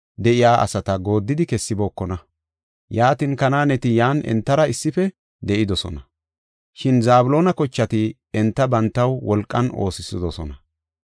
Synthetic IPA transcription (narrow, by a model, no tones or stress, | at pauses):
d̪ɛʔɪjaːʔɐ̰sɐt̪ɐɡo̞ːd̪ːɪd̪ɪkɛsːɪbo̞ːkːɔnɐ | jaːt̪ɪnkɐnaːnɛt̪ɪjaːnʔɛ̰nt̪ːɐɾɐɪsːɪfɛ | d̪ɛʔɪd̪ɔsɔ̰nɐ | ʃɪnzaːbʊlo̞ːnɐkɔt͡ʃːɐt̪ɪ | ɛnt̪ːɐbɐnt̪ːɐwwɔlkʼːɐno̞̰ːsɪsɪd̪ɔsɔnɐ